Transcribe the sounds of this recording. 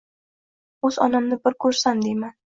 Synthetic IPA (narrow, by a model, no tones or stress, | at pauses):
ɵz̥ɒ̰nɪmnɪbɪɾkʰɵɾsamd̪eman